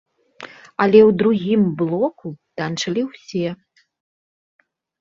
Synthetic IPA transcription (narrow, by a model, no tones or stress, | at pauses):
ɐlʲɛwd̪ɾuɣʲimblˠɔkut̪ant͡ʂɐlʲiwsʲɛ